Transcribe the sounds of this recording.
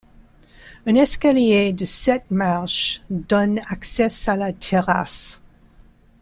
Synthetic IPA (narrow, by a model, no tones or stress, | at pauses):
ɛ̃nɛskaljedəsɛt̚maʁʃdɔnaksɛsalatʰɛʁa̰s